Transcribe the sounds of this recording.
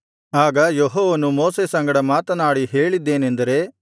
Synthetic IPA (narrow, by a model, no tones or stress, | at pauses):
aːɡɐjɔɦoːʋɐnumoːsesɐŋɡɐɽɐmaːt̪ɐnaːɽiɦe̞ːɭid̪ːe̞ːnend̪ɐɾe̞